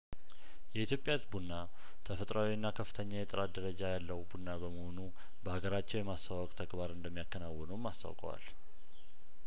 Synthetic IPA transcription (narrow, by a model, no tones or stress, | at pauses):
jɛit̪ʰjo̞pʼjat̪bunːa | t̪ʰəfət̪ʼɾawiɨnːakʰəfːɨ̥t̪ʰəɲːajɛt̪ʼɨɾat̪̚d̪əɾəd͡ʒajalːəwbunːabəməho̞nu | bəhaɡəɾat͡ʃːɛwjɛmast̪ʰawɔkʼt̪ʰəɡbaɾɨnd̪əmːijakːənawːɔnəwmast̪ʰa̰wkʼə̰wa̰l